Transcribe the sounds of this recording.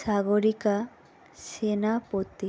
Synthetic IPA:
saɡoɾika | senapot̪ːi

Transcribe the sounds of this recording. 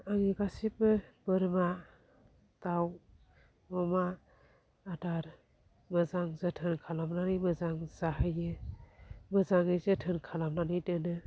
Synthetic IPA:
aŋiɡasipɯbɯɾma | taw | mɔma | adaɾ | mɯzaŋzatʰɯnkʰalamnanɯjmɯzaŋzaɦajɯ | mɯzaŋɯzɯtʰɯnkʰalamnanɯjdɯnɯ

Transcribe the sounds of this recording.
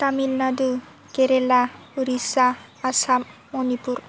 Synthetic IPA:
t̪amilnad̪u | keɾela | uɾisaː | samːonipuɾ

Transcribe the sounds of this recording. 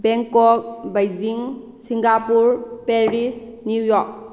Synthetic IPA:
bɛŋkɔk̚bajziŋ | siŋɡapuɾpeɾis | nujɔk̚

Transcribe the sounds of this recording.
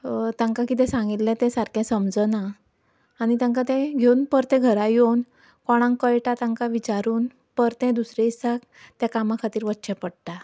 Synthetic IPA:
t̪ãŋkãkit̪̬ɛ̃sãŋɡit̪lɛ̃t̪ɛ̃saɾkʰɛ̃səmd͡zənaː | ñit̪ãŋkat̪ɛ̃ɡʱeunpəɾt̪ɛ̃ɡʱəɾajon | kɔɽ̃ãŋkəjʈat̪ãŋkaʋit͡ɕaɾuːn | pəɾt̪ɛ̃d̪usɾɛisak | t̪jakamãkʰat̪iːɾʋətːɕɛpəɽʈ̪a

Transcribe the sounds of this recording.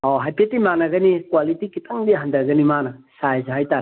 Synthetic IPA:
oɦajpetːimanɐɡɐnikwalitikitʰaŋdiɦandɐɾɡɐnimanɐsajzeɦajtaɾ

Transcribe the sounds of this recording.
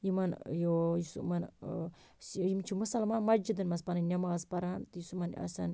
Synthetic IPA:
jimanjojusṵman | sjimt͡ʃʰuməsalmanmad͡ʒid̪ənmaspananamaspaɾant̪ijusuman̰ʔa̰sa̰n

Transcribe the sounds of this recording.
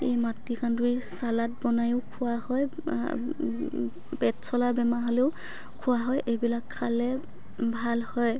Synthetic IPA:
ejmatːikʰanduisalat̚bɔnajʊʊkʰʊwahɔj | pɛtsɔlabɛmaɦoleʊ | kʰʊwaɦɔjʔebilakʰːalɛ | bʱalhɔj

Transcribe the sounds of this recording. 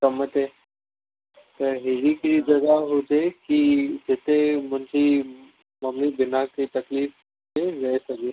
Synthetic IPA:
kəmət̪e | t̪əɾɦeɾikɾid͡ʒɐɡaɦot̪ekid͡ʒet̪emənd͡ʑʱi | məmlibɪnaket̪ɐkliːf | teɾəesəɡe

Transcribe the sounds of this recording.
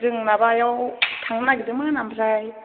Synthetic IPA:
dɯŋnabajɔwtʰaŋnaɡidɯmanamɾaj

